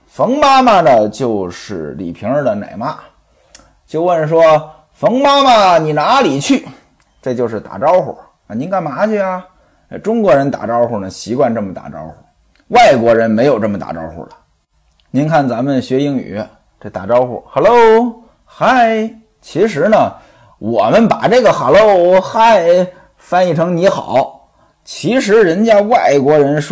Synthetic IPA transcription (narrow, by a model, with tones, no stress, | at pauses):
fɤ˧˥ŋma˥ma˧˩nə˨t͡ɕjo˥˧ʊʂɻ̩˥˩lḭ˨˩pʰi˧˥ŋə˞˧d̪ə˨˩na̰˨˩ɪma˥ | t͡ɕjo˥˧ʊwə˥˩nʂ̬wɔ˥ | fɤ˧˥ŋma˥ma˨ni˨˩na˧˥li˨˩t͡ɕʰy˥˩ | ʈ͡ʂɤ˥˧t͡ɕjo˥˧ʊʂɻ̩˥˩t̪a̰˨˩ʈ͡ʂɑ˥ʊxɔ̰˨˩ | a˧˩ni˧˥nka˥˩nma˧˥t͡ɕʰy˥˧˩a˧ | ʈ͡ʂʊ˥ŋkwɔ˧˥ɻə˧˥nt̪a̰˨˩ʈ͡ʂɑ˥ʊxɔ˨˩nə˩ɕi˧˥kwa˥˧nʈ͡ʂə˥˩mə˨˩t̪a̰˨˩ʈ͡ʂɑ̰˥ʊxṵ˨˩˦ | wa˥˩ɪkwɔ˧˥ɻə˧˥nme˧˥ɪjo˨˩ʊʈ͡ʂɤ˥˩mə˩t̪a̰˨˩ʈ͡ʂɑ̰˥ʊxṵ˨˩lə˨ | ni˧˥nkʰa˥˩nt͡sa˧˥mə˨nɕɥɛ˧˥i˧˥˩ŋy̰˨˩ | ʈ͡ʂɤ˥˩t̪a̰˨˩ʈ͡ʂɑ˥ʊxṵ˨˩xa˧˩lo˥˧ʊ | xa˥˩ɪ | t͡ɕʰi˧˥ʂɻ̩˧˥nə˨ | wɔ˨˩mə˦npa˨˩ʈ͡ʂɤ˥˩ɡə˩xa˨˩lo˥˧ʊxa˥˧˩ɪ | fa˥˧ni˥˩ʈ͡ʂʰɤ˧˥ŋni˧˥xɑ˨˩˦ʊ | t͡ɕʰi˧˥ʂɻ̩˧˥ɻə˧˥nt͡ɕja˥wa˥˩ɪkwɔ˧˥ɻə˧˥nʂ